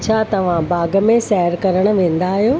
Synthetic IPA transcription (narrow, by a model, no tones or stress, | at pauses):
t͡ɕʰaːt̪ɐʋ̤ãbaːɡəmẽsɛɦəɾkɐɾəɽ̃̆ʋẽːn̆d̪aːɦijoː